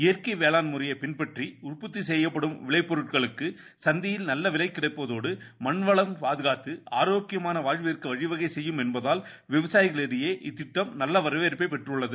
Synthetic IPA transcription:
ɪjɐrkɐɪʋeːlaːnmʊɾɐjɐpɪnpɐʈriʊrpɯt̪ːisɛjːɐpːɐɽɯmʋɪɭɐɪpːɔɾɯʈ̚kɐɭɯkːɯ | sɐnd̪ɪjɪlnɐlːɐʋɪlɐɪkːɪɽɐɪpːɐðoːɽɯmɐnʋɐɭɐmpaːðɯɣaːt̪ːɯʔaːɾoːkɪjɐmaːnɐʋaːɻʋɐɪrkɯʋɐɻɪʋɐɣɐɪsɛjːɯmɛnbɐðaːl | ʋɪʋɐsaːjɪɣɐɭɛɽɪjeːʔɪt̪ːɪʈːɐmnɐlːɐʋɐɾɐʋeːɾpːɐɪpɛʈrɯɭːɐðɯ

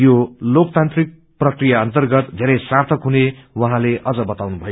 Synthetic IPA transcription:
jolok̚t̪ant̪rik̚ | prʌkrijaʌnt̪ʌrɡʌt̪d̪ʱeɾʌjsart̪ʰʌkɦunewʌɦãleʔʌd͡zʌbʌt̪awnubʱʌjo

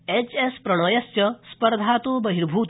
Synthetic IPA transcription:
et͡ʃespɾɐɽ̃ɔjɐst͡ʃɐspɐɾd̪ʱaːt̪ubɐɦiɾbʱuːt̪

